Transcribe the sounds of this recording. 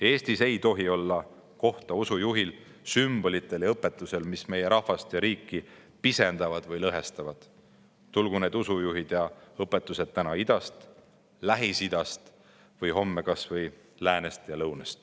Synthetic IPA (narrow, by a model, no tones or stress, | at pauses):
eːst̪ise̞jt̪o̞ɦio̞lːɑ | ko̞ht̪ɑusujuɦil | symb̥o̞lit̪ːˑe̞ljɑɤpːˑe̞t̪ˑːuse̞lmisme̞je̞ɾɑhvɑst̪jɑɾiːkːˑi | pise̞nd̪̥ɑvɑd̪̥vɤjlɤɦe̞st̪ɑvɑd̪̥ | t̪ulɡ̥une̞ːd̪usujuɦid̪̥jɑɤpːˑe̞t̪ːˑuse̞d̪̥̚t̪ːænɑid̪̥ɑst̪ | læɦisid̪̥ɑst̪ | vɯjɦo̞mːe̞kɑsvɯj | læːne̞st̪jɑlɤwnest̪